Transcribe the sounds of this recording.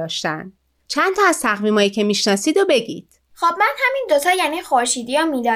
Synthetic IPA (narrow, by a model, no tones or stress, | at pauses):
ɒːʃt̪ænd̪ | t͡ʃʰænt̪ʰɒːæz̥t̪ʰæɣmiːmɒːjicʰe̞miːʃnɒːsiːd̪obe̞ɡḭːd̪̥ | xoːbmænhæmind̪ot̪ʰɒːjæniːxoɾʃiːd̪ijɔmiːd̪ɒː